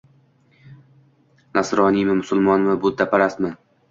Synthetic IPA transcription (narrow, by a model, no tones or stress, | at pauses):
nasɾɒnimɪmʊsʊlˠmɒnmɪbʊd̪apʰaɾasmɪ